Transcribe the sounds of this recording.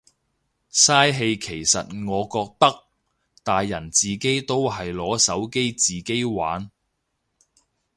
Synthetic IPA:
saː˥jɦe˧jkʰe˨˩jsɐ̰˨t̚ŋɔː˨˧kɔː˧k̚t̪ɐ˥k̚ | t̪aː˨jːɐ˨˩nt͡siː˨ke˥jt̪o˥wɦɐ˨jlɔː˨˥sɐ˨˥wke˥jt͡siː˨ke˥jwa̰ː˨˥n

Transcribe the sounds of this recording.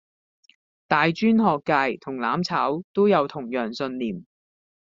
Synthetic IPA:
t̪aː˨jt͡ʃyː˥nɦɔː˨kːaː˧jt̪ʰʊ˨˩ŋlaː˨˥mt͡sʰaː˨˥wt̪o˥wjɐ˨˧wt̪ʰʊ˨˩ŋjœː˨˩ŋsɵ˧nliː˨˩m

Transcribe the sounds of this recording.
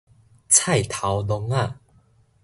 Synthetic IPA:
t͡sʰa˥˧˨jt̪ʰa˨˦wlɔ˧ŋa˥˧˨

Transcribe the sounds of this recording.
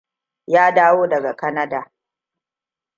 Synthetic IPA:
jaː˦daː˦woː˦dɐ˨ɡa˨kɐ˦nɐ˦daː˨

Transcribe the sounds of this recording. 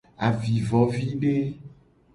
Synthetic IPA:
a˨vi˨vɔ˨vi˦ɖe˦

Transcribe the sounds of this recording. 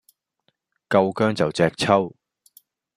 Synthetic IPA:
kɐ˧wkœː˥ŋt͡sɐ˨wt͡sɛː˧k̚t͡sʰɐ˥w

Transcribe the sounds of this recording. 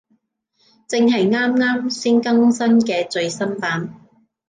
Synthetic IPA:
t͡sɪ˨˧ŋɦɐ˨jŋaː˥mŋaː˥msiː˥nkɐ˥ŋsɐ˥nkɛː˧t͡sɵ˨˧ɥsɐ˥mpaː˨˥n

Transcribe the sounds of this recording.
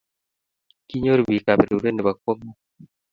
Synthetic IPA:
ki˦ɲo˦ɾbi˨ka˨be˨ɾe˨ɾe˦ne˨ba˨kwo˦ŋo˦

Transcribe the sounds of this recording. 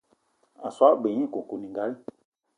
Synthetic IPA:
a˨swa˦be˨ɲĩ˦˨kũ˨ku˨nĩ˨ŋɡa˨˦li˦

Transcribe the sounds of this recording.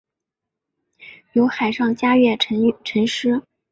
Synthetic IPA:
jo˧˥ʊxa˨˩ɪʂɑ˥˩ŋt͡ɕja˥ɥɛ˥˩˧ʈ͡ʂʰə˧˥ŋʂɻ̩˥

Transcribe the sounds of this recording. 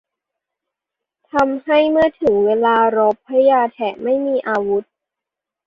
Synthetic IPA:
t̪ʰa˧mha˥˩jmɯ˥˩ɐt̪ʰɯ˨˩˦ŋweː˧laː˧ɾo˦˥pʰːa˦˥jaː˧t̪ʰɛ˨˩ma˥˩jmiː˧ʔaː˧wu˦˥t̪̚

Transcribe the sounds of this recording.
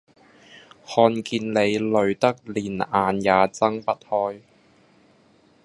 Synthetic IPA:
hɔː˧nkiː˧nle˨˧jlɵ˨˧ɥt̪ɐ˥k̚liː˨˩naː˨˧njaː˨˧t͡sɐ˥ŋpɐ˥t̚hɔː˥j

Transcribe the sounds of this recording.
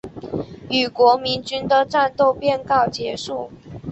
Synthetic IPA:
y˨˩kwɔ˧˥mi˧˥nt͡ɕy˥nd̪ə˨ʈ͡ʂa˥˧nt̪o˥˧ʊpjɛ˥˧nkɑ˥˩ʊt͡ɕjɛ˧˥ʂu˥˩

